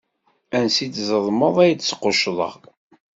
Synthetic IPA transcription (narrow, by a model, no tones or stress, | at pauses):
ænsit͡szəðˤməðˤæjt͡sːsqːoʃðˤə̰ʁ